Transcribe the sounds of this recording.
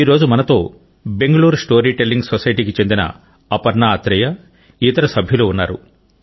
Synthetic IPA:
iːɾo̞ːd͡ʒumɐnɐt̪o̞ː | be̞ŋɡɐɭuːɾsʈo̞ːɾiːʈelːiŋɡsosɐjɐʈiːkit͡ʃe̞nd̪inɐ̰ | ɐpɐɾnaːɐt̪ɾɛjɐ | iːt̪ɐɾɐsɐbʱjuluːunːaːɾṵ

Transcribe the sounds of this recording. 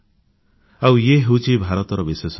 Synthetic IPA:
awjeɦewt͡ʃʰibʱaɾɔt̪ɔɾɔbises

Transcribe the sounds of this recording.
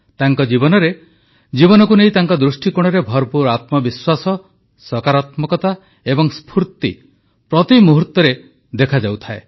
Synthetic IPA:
t̪aŋkɔd͡ʒibɔnɔɾe | d͡ʒibɔnɔkuneĩt̪aŋkɔd̪ɾusʈikuɽ̃ɔɾebʱɔɾpuɾat̪mɔbiswasɔ | sɔkaɾat̪mɔkɔt̪a | ebɔŋspʰuɾt̪ḭ | pɾɔt̪imuɦuɾt̪ːɔɾe | d̪ekʰad͡ʒawt̪ʰaḛ

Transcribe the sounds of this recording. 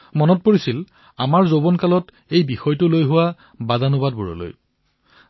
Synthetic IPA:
mɔnɔt̚poɹisil | amaɹzobɔnkalɔt | ejbixɔjtʊlojɦʊwa | bazanʊbad̚buɹɔ̰lo̰j

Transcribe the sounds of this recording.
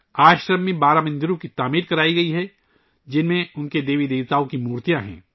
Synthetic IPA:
aːʃɾəmːẽbaːɾamɐ̃nd̪ɪɾõkit̪aːmiːɾkɐɾaːiɡɐiɦɛ | d͡ʒɪnmẽʊnked̪eːʋid̪eːʋt̪aːõkimuːɾt̪ijãɦɛ̰̃ː

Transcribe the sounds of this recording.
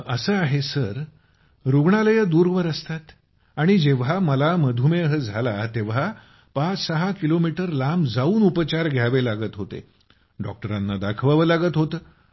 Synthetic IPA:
əsəaɦesəɾ | ɾuɡɳaləjəd̪uːɾʋəɾəst̪at̪ | aɽ̃id͡ʑeʋ̤ɦaməlaməd̪ʱumeɦəd͡zʱalat̪eʋ̤a | pat͡ssəɦakilomiʈəɾlamd͡zauːnupət͡ɕaɾɡʱjaʋelaɡət̪ɦot̪ḛ | ɖɔ̰k̚ʈəɾanːad̪akʰʋaʋəlaɡət̪ɦot̪əː

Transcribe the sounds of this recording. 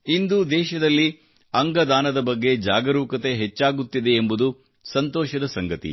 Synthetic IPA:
ind̪ud̪ɛːʃɐd̪ɐlːi | ɐŋɡɐd̪aːnɐd̪ɐbɐɡːe̞d͡ʒaːɡɐɾuːkɐt̪e̞ɦet͡ʃːaːɡut̪ːid̪e̞ːmbud̪u | sɐnt̪ɔːʃɐd̪ɐsɐŋɡɐt̪ḭ

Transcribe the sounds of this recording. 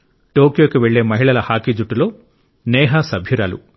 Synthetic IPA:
ʈo̞ːkijo̞ːkiʋe̞ɭːe̞ːmɐɦiɭɐlɐhaːkid͡ʒuʈːulo̞ː | nɛːɦɐsɐbʱjiɾaːlṵ

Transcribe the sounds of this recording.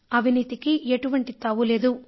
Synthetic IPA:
ɐbʱiniːt̪ikieʈuʋɐɳʈit̪ɐʋule̞ːd̪u

